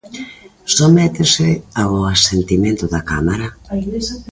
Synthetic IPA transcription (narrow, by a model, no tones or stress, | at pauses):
somɛt̪eseaoasent̪imẽnt̪ʊðakamaɾa